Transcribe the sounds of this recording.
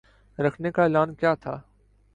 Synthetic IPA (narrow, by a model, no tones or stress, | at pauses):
ɾɐkʰnekaɪːlaːnkjaːt̪ʰa̰ː